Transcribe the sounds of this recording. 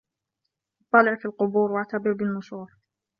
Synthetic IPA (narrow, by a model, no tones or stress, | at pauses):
ʔɑt̪ˤːɑlɪʕfilqʊbuːɾwaʕt̪abɪɾbɪlmʊʃuːɾ